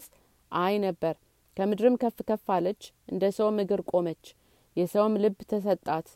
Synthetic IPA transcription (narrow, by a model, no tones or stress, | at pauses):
sʼ | ʔajnəbːəɾ | kʰəmɨd̪ɾɨmkʰəfɨkʰəfːalət͡ʃːʔɨnd̪əsəwmɨɡɨɾkʼo̞mət͡ʃː | jɛsəwmlɨbːt̪ʰəs̬ət̪ʼːat̪